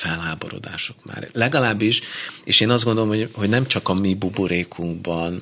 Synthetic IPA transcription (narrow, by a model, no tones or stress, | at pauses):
fɛlɦaːbo̞̰ɾo̰d̪a̰ːʃo̞̥kma̰ːɾlɛɡɒlaːbːiʃeːʃeːnɒzdɡo̞nd̪olomhohoɟnɛmt͡ʃɒkɒmibubuɾeːkʰuŋɡbɒn